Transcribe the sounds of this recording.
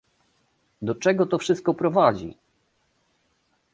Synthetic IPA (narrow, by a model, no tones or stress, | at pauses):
d̪ɔt͡ʂɛɡɔt̪ɔfʂɘst̪̚kɔpɾɔvad͡ʑḭ